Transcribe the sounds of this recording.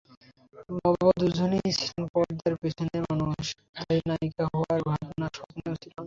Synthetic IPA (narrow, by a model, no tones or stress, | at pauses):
mɔbod̪ud͡ʑʱonisanpɔɖd̪aɾpet͡ɕʰonemanuʃ | d̪ʱanaikaɦɔaɾbʱabnaʃɔpneosilan